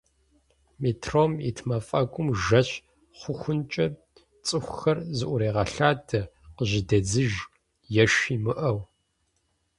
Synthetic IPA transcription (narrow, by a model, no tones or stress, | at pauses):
metʰroːmḭtʰmɐfʼɐɡʷʼʊmʒɐɕ | χʷʊxʷʊnt͡ʃʼɐ | t͡sʼɨxʷxɐrzɨʔʷʊɾeːʁɐɬaːdʰɐqəʑɪdɐd͡zɨʒ | jɛʃiːmɨʔɐw